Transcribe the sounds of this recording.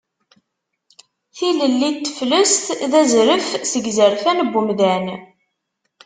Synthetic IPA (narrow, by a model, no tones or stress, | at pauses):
θiləlːit̪ːəfləst̪ðæzɾəfsəɡzəɾfænəbːumðæn